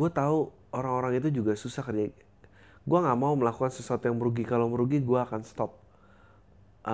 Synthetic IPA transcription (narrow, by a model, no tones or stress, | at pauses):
ɡuat̪au | oɾaŋoɾaŋit̪̬ud͡ʒuɡasusahkərd͡ʒa | ɡuaŋɡaʔmauməlakukansəsuat̪jaŋməɾuɡikalowməɾuɡiɡuaːkanst̪ɔp̚ | ʔ